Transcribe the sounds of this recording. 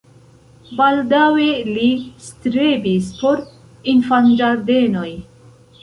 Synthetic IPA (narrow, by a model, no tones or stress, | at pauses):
baldawelist̪ɾebispʰoɾ | infand͡ʒaɾd̪enoj